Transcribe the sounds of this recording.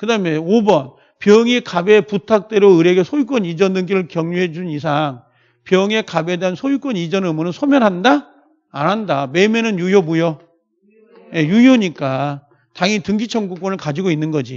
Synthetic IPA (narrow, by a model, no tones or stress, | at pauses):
kɯdameobʌn | pjʌŋikabe̞putʰak̚t͈we̞ɾoɯɾe̞ɡe̞sʰojuk͈ʌɲid͡ʑʌnɯnɡiɾɯɭkjʌŋɲuɦe̞d͡ʑunis̬ʰaŋ | pjʌŋe̞kabe̞deɦansʰojuk͈wʌɲid͡ʑʌnɯmonɯnsʰomjʌnɦandaː | nɦandame̞menɯnjujomujo | je̞jujoɲik͈a | taŋitɯŋɡit͡ɕʰʌŋɡuk͈wʌnɯɭkad͡ʑiɡoinːɯnɡʌd͡ʑi